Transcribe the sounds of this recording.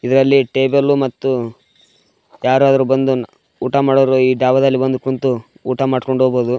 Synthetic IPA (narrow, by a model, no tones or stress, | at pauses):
id̪ɐɾɐlːiʈe̞ːbɐlːumɐt̪ːu | jaːɾuɐd̪ɐɾubɐnd̪u | uːʈamaːɽoːɾuiːɖaːʋɐd̪ɐlːibɐnd̪ukunt̪u | uːʈamaːɖkoɳɖoboːd̪u